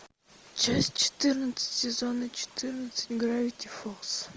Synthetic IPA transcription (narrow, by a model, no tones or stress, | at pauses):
t͡ʃasʲt͡ʃɛ̥t̪ɨɾnət̪sɛ̥t̪ʲsʲɛzɔnɐt͡ʃɛ̥t̪ʰɨɾnəsɛ̥t̪ʲɡɾavʲit̪ʲifɔks